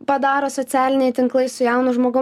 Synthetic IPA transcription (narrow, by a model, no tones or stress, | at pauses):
pɐd̪ɑːɾoːsɔt̪ʲæːlʲɪnʲɛɪt̪ʲɪŋklˠɐɪsʊjɛˑʊnʊʒmoːɡʊ